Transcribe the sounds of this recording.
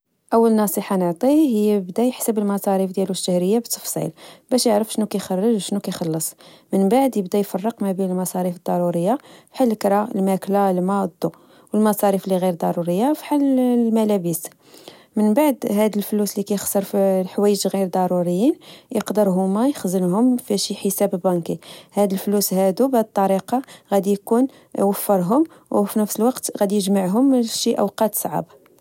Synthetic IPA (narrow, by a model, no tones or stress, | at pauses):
ʔəwːəlnɑsˤiħɑnəʕt̪ˤihəjːbd̪æjħsəbəlmɑsˤɑɾifd̪jæluʃːæhɾəjːabət̪ːə̥fsˤḭlbæʃjəʕɾəfʃnukæjxɑrˤːəʒʃnukæjxɑlːəsˤ | mənbaʕd̪jəbd̪æjfɑrˤːəqmæbinəlmɑsˤɑɾifəd̪ˤːɑɾuɾəjːafħalːəkɾˤɑəlmæklalmɑd̪ːu | wəlmɑsˤɑɾifliɣiɾd̪ɑɾuɾəjːafi̥ħallmælæbəs | mənbaʕd̪ɦæd̪əlfluslikæjəxsəɾˤfilħwæjəd͡ʒlɣiɾd̪ˤɑɾuɾəjːinjəqd̪əɾɦʊmæjəxzənhʊmfæʃiħəsæbəbɑnkihæd̪əlflushæd̪ubhæd̪t̪ˤːɑɾiqɑɣæd̪jkun | wəfːəɾˤɦʊm | wfinəfsəlwɑqt̪ɣæd̪jəʒmaʕɦʊmʃiʔə̰wqɑt̪sˤʕa̰b